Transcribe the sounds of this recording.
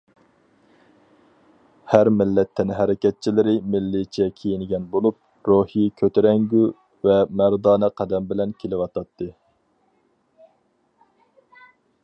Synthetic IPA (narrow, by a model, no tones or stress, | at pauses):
hæɾmɪlːɛt̪ʰːɛnɪɦɛɾɪkʲɛt̪̚t͡ʃʰilɪɾɪmɪlːɪt͡ʃʰɛkʲʰejinɪɡʲɛnbolˠup̚ | ɾohikʲʰøt̪ʰɪɾɛŋɡʲy | vɛmæɾd̪ɑːnɨqʰɛd̪ɛmbɪlɛnkʲʰelɪwɑt̪ʰɑt̪ʰːɨ